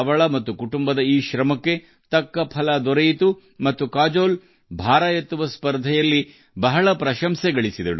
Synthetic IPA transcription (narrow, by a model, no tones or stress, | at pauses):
ɐʋɐɭɐmɐt̪ːukuʈumbɐd̪ɐiːʃɾɐmɐkːe̞ | t̪ɐkːɐpʰɐlɐd̪ɔɾɐjit̪u | mɐt̪ːukaːd͡ʒoːl | bʱaːɾajɐt̪ːuʋɐspɐɾd̪ʱɐjɐlːi | bɐɦɐɭɐpɾɐʃɐmsɛɡɐɭisid̪ɐɽu